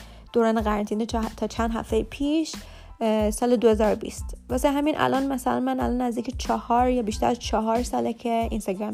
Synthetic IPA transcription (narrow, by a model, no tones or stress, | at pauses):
d̪̥oːɾɒːneɣæɾænt̪ʰiːnet̪ʰɒːt͡ʃʰænd̪ɦæ̰ft̪ejepʰiːʃ | sɒːled̪ohezɒːɾobḭːst̪væseɦæmiːnʔæ̰lʔɒnmæsælæ̰nmænæ̰lɒnæzd̪icʰet͡ʃʰɒhɒːɾjɒbiʃt̪æɾæzt͡ʃʰɒɦɒːɾsɒːlecʰeinst̪ɒɡɾæm